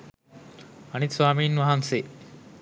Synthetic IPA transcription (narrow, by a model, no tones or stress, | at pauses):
ɐnit̪sʋaːmiːnʋaɦɐnseː